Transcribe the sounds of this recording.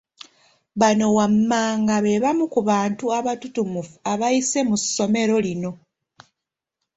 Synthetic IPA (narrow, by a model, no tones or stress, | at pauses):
βano̞wamːaːŋɡaβe̞βamukuβaːntuaβatutumufu̥aβajise̞musːo̞me̞ɾo̞lino̞